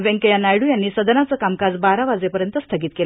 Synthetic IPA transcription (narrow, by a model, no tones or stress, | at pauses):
ʋeŋkəjanajɽuːjanːiːsəd̪ənat͡səːkamkad͡zbaɾaʋad͡zepəɾjənt̪əst̪ʰəɡiːt̪̚kel